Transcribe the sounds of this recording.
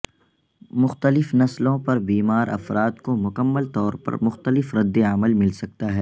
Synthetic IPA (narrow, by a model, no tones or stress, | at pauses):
mʊxt̪əlɪfnɐslõpɐɾbiːmaːɾʔɐ̰fɾaːt̪komʊkəmːəlt̪ɔːɾpɐ̰ɾmʊxt̪əlɪfɾɐd̪ːeɐməlmɪlsɐk̚t̪aɦɛː